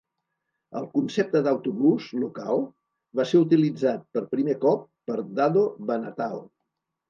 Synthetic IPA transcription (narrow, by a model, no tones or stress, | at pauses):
ə̰lˠkunsep̚t̪əd̪əwt̪uβuzlukalˠ | βaseɾut̪̬ilid͡zat̪̚pəɾpɾimekɔpːəɾd̪aðoβənət̪alˠ